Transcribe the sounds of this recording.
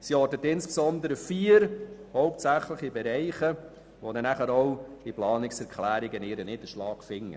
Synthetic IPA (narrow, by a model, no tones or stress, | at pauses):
siɔɾdətɪnsksɔnd̪əɾəfiːəɾhɔwp̚tsæχləχibɛɾɛɪχə | ʋodɛnæχəɾɔwd̥iplɑːnɪksɛɾkʰlæːɾɪɡənɪɾənɪːd̥̪əʃlɑːɡ̥fɪŋːə̰